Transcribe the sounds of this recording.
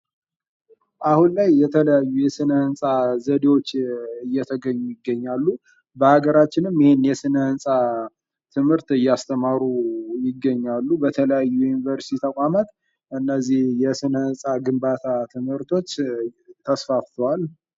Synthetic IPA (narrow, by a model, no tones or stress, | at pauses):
ʔahunlajːɛt̪ʰələjajːujɛsɨnəhɨnsʼazəd̪ewo̞t͡ʃːɨjːɛt̪ʰəɡəɲːujɪɡːəɲːalːu | bəhaɡəɾat͡ʃːɪnɨmjɪhenjɛsɨnəhɨnsʼa | t̪ʰɨmhɨɾt̪ɨjːast̪ʰəmaɾujɪɡːəɲːalːubət̪ʰələjajːujunivəɾst̪ʰit̪ʰəkʷʼamat̪ | ʔɨnːəzihjɛsɨnəhɨnsʼaɡɨmbat̪ʰat̪ʰɨmhɨɾt̪ʰo̞t͡ʃːt̪ʰəsfaft̪ʰwal